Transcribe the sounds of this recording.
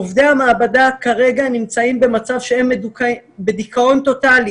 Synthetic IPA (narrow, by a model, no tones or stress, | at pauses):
ovd̪eamaːbadakaʁe̞ɡanimt͡saimbe̞mat͡savʃe̞e̞medukbe̞dikʰao̞nt̪o̞tali